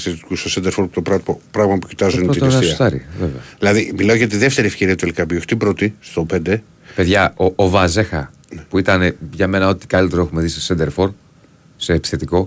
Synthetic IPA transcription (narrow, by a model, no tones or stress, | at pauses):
isθet̪i̥kust̪osend̪eɾfoɾput̪opɾɐpɾɐɣmɐpucit̪ɐzunt̪t̪ssiɐt̪ɐɾḭvevḛɐilɐðimilɐojʝɐt̪iðeft̪e̞ɾiefçe̞ɾiɐt̪uelkɐviuçt̪ipɾo̞t̪ist̪o̞pe̞nd̪e̞ | pe̞ðʝɐoʔovɐze̞xɐ | puit̪ɐneʝɐme̞nɐo̞t̪i̥kɐlit̪ɾoe̞xumeðisesend̪eɾfo̞ɾ | se̞ːpi̥sθe̞t̪iko̞